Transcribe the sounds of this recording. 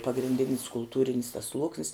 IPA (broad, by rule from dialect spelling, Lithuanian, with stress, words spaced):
pɐɡrʲɪnʲˈdʲɪnʲɪs kʊlˠˈtuːrʲɪnʲs tɐs ˈslˠuɔksʲnʲɪs